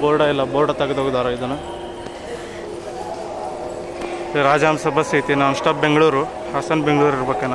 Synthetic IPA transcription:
boːɖɐilːɐboːɾɖɐt̪ɐɡed̪oːɡud̪aːɾɐid̪ɐnːɐ | ɾaːd͡ʒaːmsɐbʱasiːt̪inaːnsʈaːp̚beŋɡɐɭuːɾu | hɐsɐnbeŋɡɭuːɾiɾbɐkːena

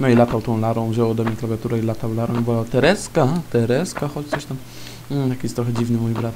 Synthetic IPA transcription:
nɔilat̪awt̪ɔ̃w̃laɾɔ̃w̃ʑɛwɔd̪ɔmɲejklavʲjat̪uɾɛilat̪awlaɾɔ̃w̃bɔat̪ɛɾɛskat̪ɛɾɛskaxɔt͡ɕt̪sɔɕt̪am̩ | j̪akʲest̪ɾɔxɛd͡ʑivnɘmujbɾat̪

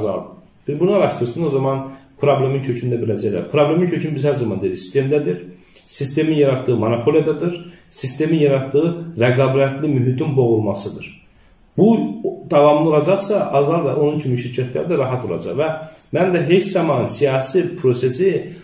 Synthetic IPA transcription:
zɑ̰lˠ | b̥iɾbunuɑɾɑʃt̪ɯɾɯsɯno̞zɑmɑnpʰɾoblʲe̞mint͡ʃʰø̞cʰynd̪æbilæd͡ʒæjlæ̰ɾpʰɾoblʲe̞mincʰø̞cʰynbizhæɾzɑmɑnd̪eɾisist̪e̞md̪æd̪iɾ | sist̪e̞minjɑɾɑt̪̚d̪ɯɣɯmɑnopʰo̞lˠijad̪ɑd̪ɯɾsist̪e̞minjɑɾɑt̪d̪ɯɣɯɾæɡɑbɾæt̪limyɦit̪ynbo̞ɣulˠmɑsɯd̪ɯɾ̥ | b̥ud̪̥ɑvɑmlˠɯo̞lˠɑd͡ʒɑχsɑʔɑzɑlˠvæʔo̞nuncʰimiʃiɾcʰæt̪ʰlæ̰ɾd̪æɾɑɦɑt̪ʰo̞lˠɑ̰d͡ʒɑ̰ʁvæmænd̪æɦe̞t͡ʃzɑmɑnnsijɑːsipʰɾo̞se̞si

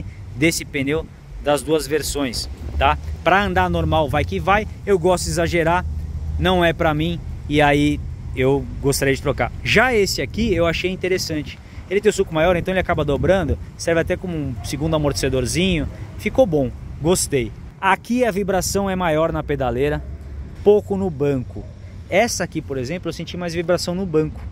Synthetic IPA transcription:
d̪esɪpẽnew | d̪ɐzd̪uɐzveɾsõj̃st̪apɾɐɐ̃nd̪aɾnoɾmawvajkɪvajewɡɔst̪ʊizaʒeɾanɐ̃w̃ɛpɾɐmĩɪaiewɡost̪aɾejd͡ʒɪt̪ɾoka̰ɾʒaesɪakiewaʃejĩt̪eɾesɐ̃nt͡ʃɪ̥ | elɪt̪ẽj̃ʊ̃sukʊmajɔɾẽt̪ɐ̃elɪakabɐd̪obɾɐ̃nd̪ʊsɛɾvɪat̪ɛkõmʊũsiɡũd̪ʊamoɾt͡ʃi̥sed̪oɾzĩɲʊfikobõw̃ɡost̪ej | akiɐvibɾasɐ̃w̃ɛmajɔɾnɐped̪aleɾɐpowkʊnʊbɐ̃kʊ | ɛsɐakipoɾezẽplʊewsẽnt͡ʃimajzvibɾasɐ̃w̃nʊbɐ̃kʊ̥

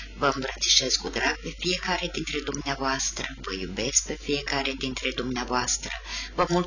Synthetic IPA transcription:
vəmbɾət̪si̥ʃe̞skud̪ɾaɡ̚pe̞fije̞kaɾed̪int̪ɾe̞d̪umneavoast̪ɾəvə̰jṵbe̞sk̚pe̞fije̞kaɾed̪int̪ɾe̞d̪umneavoast̪ɾə̰vəmul

